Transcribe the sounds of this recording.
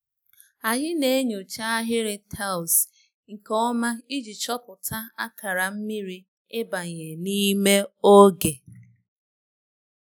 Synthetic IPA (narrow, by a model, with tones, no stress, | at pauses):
a˨ɲɪ˦ne˦ɲo˨t͡ʃa˦a˦ɦɪ˦ɾɪ˦tʰa˦ʊ˨s | ŋ̩˨kɔ˦ma˦i˦d͡ʒi˨t͡ʃɔ˦pʊ˨tʰa˦a˦ka˨ɾa˨m̩˦mi˦ɾi˦ | ɪ˦ba˨ɲe˨ni˦me˦o˦ɡe˨